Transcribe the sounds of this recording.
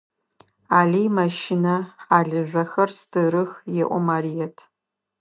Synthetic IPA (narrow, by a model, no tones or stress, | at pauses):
aːɮijmɐʃɪnɐħaːɮɨʒʷɐxɐrstʰɨɾɨxjɛʔʷɔmaɾijɐtʰ